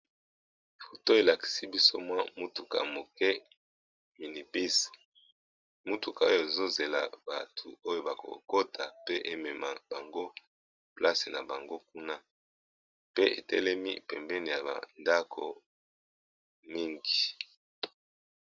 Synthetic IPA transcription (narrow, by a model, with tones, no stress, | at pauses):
fo˨to˦e˨la˨ki̥˨si˦bi˦so˦mwa˦mu˦tu˨ka̰˨mo˨kɛ˦ | mi˨ni˨pi˦s | mu˦tu˨ka˨o˦jo˦˨e˨zo˦ze˨la̰˨ba˨tʰu˨o˦jo˦ba˨ko̰˨ko˦tʰa˨pe˦ʔe˦mɛ˨ma̰˨ba˨ŋɡo˦ | pla˦se˨na˨ba˨ŋɡo˦k̚u˦na˦ | pe˦ʔḛ˨tɛ˦lɛ˦mḭ˦pɛ˨mbɛ˦ni˨ja˨ba̰˨nda˦kʰo̰˨ | mi˦ŋɡi˨